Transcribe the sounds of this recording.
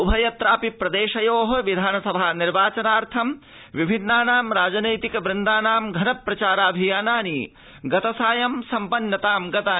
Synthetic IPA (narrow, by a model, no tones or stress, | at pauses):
ubʱɐjɐt̪ɾaːpipɾɐd̪eːʃɐjoːɦɐʋid̪ʱaːnɐsɐbʱaːniɾʋaːt͡ʃɐnaːɾt̪ʰɐm | ʋibʱinːaːnaːmɾaːd͡ʒɐnɐjt̪ikɐʋɾɪnd̪aːnaːmɡʱɐnɐpːɾɐt͡ʃaːɾaːbʱijaːnaːni | ɡɐt̪ɐsaːjɐmsɐmpɐnːɐt̪aːmɡɐt̪aː